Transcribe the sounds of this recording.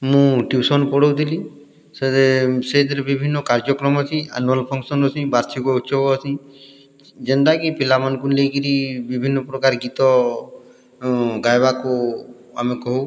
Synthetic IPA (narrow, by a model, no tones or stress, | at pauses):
mũʈiwsɔnpɔɽɔwd̪ili | səsed̪ɾbibʱinːɔkaɾd͡ʒjɔkɾɔmɔt͡ʃiə̰nuəlpʰɔŋkʃənɔsʰĩbaɾt͡ʃʰikoutːʃʰɔɔsi | d͡ʒənd̪akipilamənkunleikiɾibibʱinːɔpɾɔkaɾɡit̪ɔ | ɡajbako | amẽkɔɦu